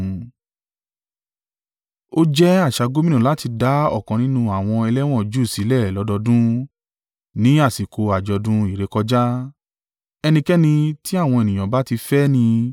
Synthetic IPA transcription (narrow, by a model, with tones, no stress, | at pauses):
o˦d͡ʒɛ˦a˦˨ʃa˧ɡo˦mĩ˦nũ˦˨la˨˦ti˧da˨˦ɔ̰˦˨kɔ̃˨nĩ˦nũ˦a˨w̃ɔ̃˧ɛ˧lɛ˦w̃ɔ̃˦˨d͡ʒu˦˨si˨˦lɛ˦˨lɔ˨˦dɔ˧dũ˦ | nĩ˦a˦˨si˨ko˧a˨d͡ʒɔ˨˧dũ˦i˦˨ɾe˨˧kɔ˧d͡ʒa˦ | ɛ˧nĩ˧kɛ˦nĩ˧ti˦a˦˨w̃ɔ̃˧e˨nĩ˨j̃ã˨ba˦ti˧fɛ˦nĩ˧